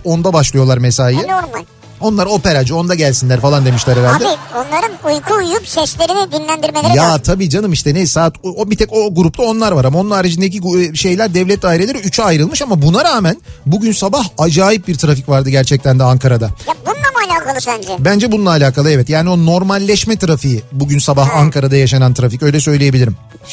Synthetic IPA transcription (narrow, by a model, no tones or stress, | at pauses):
o̞nd̪abaʃlˠɯjo̞lˠaɾmɛsajɯnoɾmalʲ | o̞nlˠaɾo̞pe̞ɾad͡ʒɯo̞nd̪aɟælʲsinʲæɾfalˠand̪e̞miʃlʲæɾeɾald̪ɛionlˠaɾɯnujkʰuːjupʃɛʃlʲeɾinɛɟ̪inlʲænd̪iɾmeleɾjat̪ʰabiːd͡ʒanɯmiʃt̪ɛnejsaːt̪ʰobit̪ʰɛko̞ɡuɾup̚t̪ʰˠao̞nlˠaɾvaɾamao̞nunaɾad͡ʒind̪ec̬iɡʃe̞jlʲæɾd̪ɛvlʲɛt̪̚d̪aːiɾelʲeɾiyt͡ʃʰyajɾɯlˠmɯʃamabunaɾaːmænbuɟynsabahad͡ʒaːjip̚biɾt̪ʰɾaficvaɾd̪ɯɟæɾt͡ʃʰɛc̚t̪ʰænd̪ɛaŋkʰaɾad̪ajabunlˠamalʲaːkʰalˠɯʃønd͡ʒɛbænd͡ʒɛbunlˠaːlʲaːkʰalˠɯɛvɛt̪jaːnio̞no̞ɾmalʲːɛʃmɛt̪ʰɾafijibuɟynsabaɦaŋkaɾad̪ajaʃanant̪ʰɾaficø̞jlʲɛsøjlʲije̞bilʲiɾim